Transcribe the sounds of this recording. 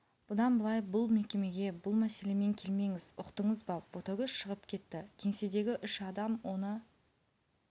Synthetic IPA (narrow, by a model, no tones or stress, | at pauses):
b̥ʊd̪ɑnbəlˠɑjbʊlˠme̞kʲe̞me̞ɡʲe̞bʊlˠmæse̞le̞me̞ŋkʲʰe̞lme̞ŋɪzʊqt̪əɴəzbɑb̥ot̪oɡʲəzʃəʁəpkʲʰe̞t̪ːɪkʲʰe̞ŋsed̪e̞ɡʲɪʔʏʃɑd̪ɑmwo̞nə